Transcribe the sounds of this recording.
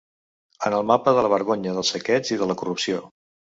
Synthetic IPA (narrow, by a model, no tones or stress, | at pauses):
ənəlˠmapəðələβ̞əɾɣoɲəðəlˠsəkɛd͡ziðələkurupsio